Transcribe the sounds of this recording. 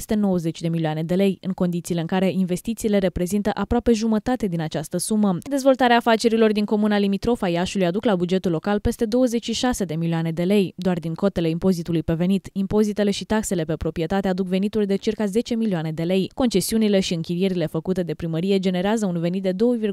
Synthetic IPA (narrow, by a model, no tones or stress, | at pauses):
st̪e̞no̞wəze̞t͡ʃʲd̪e̞milioane̞d̪e̞le̞jɨŋko̞nd̪it̪sile̞ɨŋkaɾe̞ʔinve̞st̪it̪siːle̞ɾe̞pɾe̞zint̪əʔapɾoape̞ʒumət̪at̪e̞d̪inat͡ʃast̪əsuməd̪e̞zvo̞lt̪aɾeaːfat͡ʃe̞ɾilo̞rd̪iŋko̞munalimit̪ɾo̞fajaʃulujad̪uklabud͡ʒe̞t̪ulːo̞kalpe̞st̪e̞d̪o̞wəze̞t͡ʃʲʃiʃase̞d̪e̞milioane̞d̪e̞le̞jd̪oard̪iŋko̞t̪e̞le̞impo̞zit̪ulujpe̞ve̞nit̪impo̞zit̪e̞le̞ʃit̪akse̞le̞pe̞pɾo̞pɾijet̪at̪e̞ad̪ukve̞nit̪urʲd̪e̞t͡ʃirkaze̞t͡ʃe̞milioane̞d̪e̞le̞jko̞nt͡ʃe̞siunile̞ʃiɨŋkʲiɾije̞ɾile̞fəkut̪e̞d̪e̞pɾiməɾije̞d͡ʒe̞ne̞ɾeazəunve̞nit̪̚d̪ed̪o̞wəvir